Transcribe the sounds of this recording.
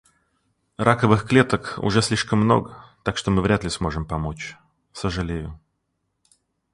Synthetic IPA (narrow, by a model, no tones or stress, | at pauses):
rʔakəvɨxklʲet̪əkʊ̰ʐɛsʲlʲiʂkəmːno̞̰ɡət̪akʂt̪omɨvɾʲat̪lʲɪsmo̞ʐɨmpɐmo̞t͡ɕ | səʐɨlʲejʊ